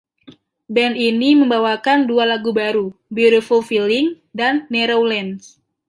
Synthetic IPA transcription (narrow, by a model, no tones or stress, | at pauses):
bɛniniməmbawakandualaɡubaɾubiɾofulfiliŋ | danːeɾowlɛns